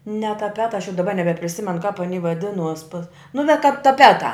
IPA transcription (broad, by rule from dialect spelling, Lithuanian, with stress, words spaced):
nʲɛ tɐˈpʲæːtɐ ɐʃ jɛʊ dɐˈbɐ nʲɛbʲɛpʲrʲɪˈsʲɪmʲɛnʊ kɐp ɐˈnʲiː ʋɐˈdʲɪnuɔs pɐs nʊ nʲɛ kɐp tɐˈpʲæːtɑː